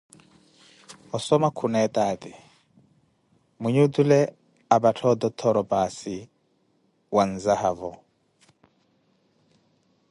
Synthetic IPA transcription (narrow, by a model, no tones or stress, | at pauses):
ɔsɔmakʰunɛt̪ʼaːt̪ɪ | muɲud̪ulɛ | abatʰɔd̪ɔt̪ʰɔɾɔpʼasi | wan̩zahavɔ